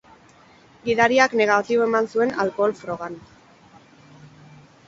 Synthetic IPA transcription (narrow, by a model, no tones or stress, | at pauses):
ɡiðaɾiakne̞ɣ̞at̪iβoe̞mansue̞na̰lko̞ːlfɾo̞ɣan